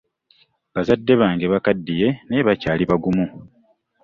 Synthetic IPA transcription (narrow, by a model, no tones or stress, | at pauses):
bazadːe̞βaːŋɡeβakadːije̞ne̞βacaːliβaɡumu